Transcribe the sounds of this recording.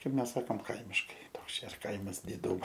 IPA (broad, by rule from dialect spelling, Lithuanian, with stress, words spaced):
ˈkɐɪp ˈmʲɛs ˈsɑːkoːm ˈkɐɪmʲɪʃkɐɪ ˈtoːks ˈt͡ʃʲɛ ɪr ˈkɐɪmɐs dʲɪˈduːmoː